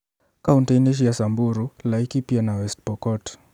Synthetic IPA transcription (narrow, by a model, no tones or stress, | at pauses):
kauntɛjnɛʃ̬jasambuɾulaikipianawɛst̚pɔkɔt